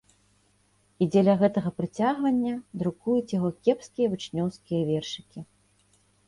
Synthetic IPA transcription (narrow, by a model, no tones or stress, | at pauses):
id͡zʲɛlʲɐɣɛt̪ɐɣɐpɾɨt͡sʲaɣvɐnʲːɐd̪ɾukujut͡sʲjaɣɔkʲɛpskʲijɐvɨt͡ʂnʲɔwskʲijɐvʲɛrʂɨ̥kʲi